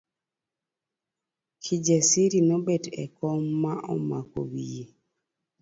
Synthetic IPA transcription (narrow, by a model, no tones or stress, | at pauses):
kʰid͡ʒesiɾinɔbetɛ̰kɔmːaʔɔmako̰wije